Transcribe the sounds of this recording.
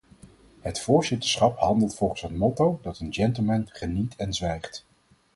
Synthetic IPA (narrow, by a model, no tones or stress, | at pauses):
ɦətfʊːɹzɪtə̥ɹsχɑpɦɑndəlˠtfɔlˠχən̩sətmɔtowdɑtənd͡ʒɛntəl̩ˠmɛnχənitɛnzʋɛjχt